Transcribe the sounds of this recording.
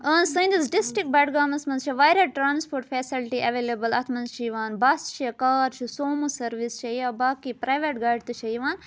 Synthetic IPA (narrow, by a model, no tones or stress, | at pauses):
ɐnsɐj̃nd̪izɖisʈɾik̚bɐːʈɡaːmɐsmɐnzt͡ʃʰiʋaːjɾɐʈɾaːnspoːɾʈfʰesilʈiʔɐʋeːleːbɐlɐt̪ʰmɐnzʃiʋaːnbast͡ʃʰɐkaːɾt͡ʃʰisoːmusɐɾʋist͡ʃʰɐjaːbaːkipɾajʋeʈɡaːɖt̪ɨt͡ʃʰɐjʋaːn